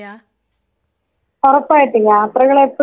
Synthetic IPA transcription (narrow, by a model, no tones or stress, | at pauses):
pɐrɐpːaːjiʈːɨlːaːt̪rɐɣɐɭepːɐ